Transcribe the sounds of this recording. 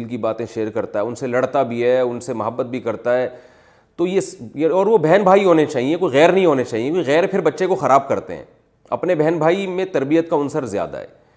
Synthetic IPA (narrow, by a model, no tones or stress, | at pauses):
lkibaːt̪ẽʃeːɾkɐɾt̪aɦɛʊnselɐɽt̪abʱiɦɛʊnsemɐɦəbːət̪̚bʱikɐɾt̪aɦɛː | t̪ojesjɔːɾʋobɛɦnbʱaːiɦoːnet͡ʃaːɦiekoːiɣɛːɾnɐɦĩɦoːnet͡ʃaːɦiekoiɣɛːɾpʰɪɾbɐtːʃekoxɐɾaːb̚kɐɾt̪ḛɦɛ̰̃ː | ɐ̰pnebɛɦnbʱaːimẽt̪ɐɾbijət̪kaʊnsəɾzja̰ːd̪a̰ɦɛ̰ː